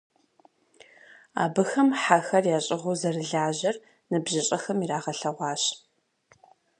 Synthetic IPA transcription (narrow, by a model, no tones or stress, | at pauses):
a̰ːbɨxɐmħaxɐrjaːɕʼɪʁuzɐrɨɮaːʑɐr | nɨbʑɐɕʼɐxɐmiraːʁɐɬɐʁʷɑːɕ